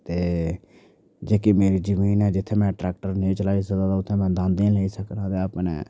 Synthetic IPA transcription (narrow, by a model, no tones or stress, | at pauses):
t̪eː | d͡ʒeːkimeːɾiːd͡ʒəmiːnɛːd͡ʒɪt̪ʰːeːmɛ̃ːʈɾɛːk̚ʈəɾnẽːt͡ʃəlaːiːsəkd̪aːd̪aʊt̪ʰːẽːmɛ̃ːd̪ãːnd̪ẽːleiːsəknãːd̪eːəpnḛː